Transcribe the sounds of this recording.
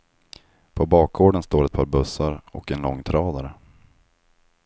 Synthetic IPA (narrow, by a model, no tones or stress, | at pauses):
pʰɔbɑːk̚ɡoːɖənst̪oːɾɛt̪̚pʰɑːɾbɵsːaɾɔ̰kɛnlɔŋːt̪ʰɾɑːd̪aɾə